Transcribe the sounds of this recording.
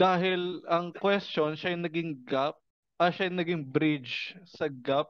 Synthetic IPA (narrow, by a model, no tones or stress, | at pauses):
d̪aːɦɪlɐŋkwɛst͡ʃonʃajnɐɡɪŋɡap̚ | ʔɐʃajnɐɡɪŋbɾɪd͡ʒsɐɡap̚